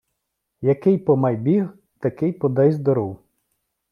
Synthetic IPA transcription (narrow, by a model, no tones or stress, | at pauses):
jɐkɪjpɔmɐjbʲiɣ | t̪ɐkɪjpɔd̪ɛjzd̪ɔɾɔw